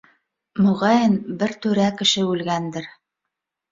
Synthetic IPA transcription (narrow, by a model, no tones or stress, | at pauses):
mɵ̆ʁɑjɘnbɘɾt̪ɵɾækɘ̆ʃɘʉlɡænd̪ɘɾ